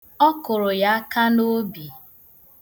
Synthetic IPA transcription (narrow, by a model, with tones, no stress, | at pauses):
ɔ˦kʊ˨ɾʊ˨ja˦a˦ka˦no˦bi˨